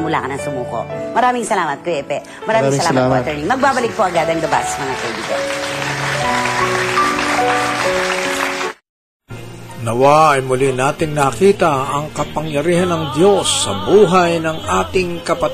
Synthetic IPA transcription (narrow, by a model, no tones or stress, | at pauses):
mʊla̰kɐnɐŋsʊmuːko̰ʔmɐɾaːmɪŋsɐlaːmɐt̪̚koɛpɛ | mɐɾaːɪŋssɐlaːmɐtpoʔɐt̪ɛnɪmɐɡ̚baːbɐlɪk̚poʔɐɡad̪ɐŋlɐbasɐmɐŋakɐjd̪iɡɐ̰ | nɐwaɐjmʊlinaːt̪ɪŋnɐkiːt̪ɐɐŋkɐpɐŋjɐɾiːhɐnɐŋd̪jo̞sːɐ̰buːɦɐjnɐŋaːt̪ɪŋkɐpɐt̪